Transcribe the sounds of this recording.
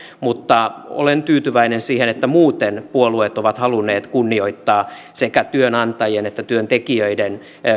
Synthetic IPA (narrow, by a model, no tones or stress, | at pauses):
mut̪ːɑo̰lent̪yːt̪yʋæinensiːhenet̪ːæmuːt̪enpuoluet̪oʋɑt̪hɑlunːeːt̪kunːioit̪ːɑː | sekæt̪yønɑnt̪ɑjenet̪ːæt̪yønt̪ekiøiden